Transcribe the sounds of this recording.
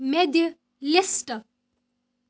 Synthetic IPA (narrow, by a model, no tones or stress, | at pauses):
med̪ʱjə | lesʈə